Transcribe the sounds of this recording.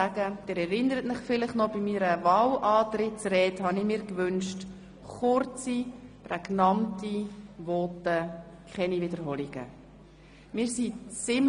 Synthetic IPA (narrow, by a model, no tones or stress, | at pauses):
æɡ̥əd̪̥eːɾɛɾɪnəɾətmɪχfɪləχnɔb̥imiɾəvɑːwʔɑːtɾɪtt͡srɛːthɑnɪmiːɾkʋʏnʃt | χʊɾt͡siprɛɡnɑntiʋɔːtə | kʰχɛnivɪdəɾɦɔliɡ̥ə̰ | mɪːsit͡sɪm